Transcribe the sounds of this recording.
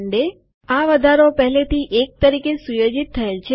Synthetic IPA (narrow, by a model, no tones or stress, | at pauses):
ɳɖe | aʋəd̪ʱaɾopəɦlet̪iʔek̚t̪əɾikesujod͡ʒit̪ʰːəelt͡ʃʰe